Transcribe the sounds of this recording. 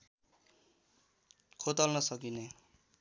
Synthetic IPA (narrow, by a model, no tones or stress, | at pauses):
kʰot̪ʌlnʌsʌkine